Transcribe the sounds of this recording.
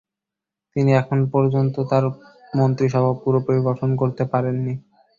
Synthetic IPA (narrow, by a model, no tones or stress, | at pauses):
t̪iniɛkʰonpɔɾd͡ʑont̪ot̪aɾ | mont̪ɾiʃɔbʱapuɾopɾoɾiboɾʈʰonkoɾt̪epaɾenːi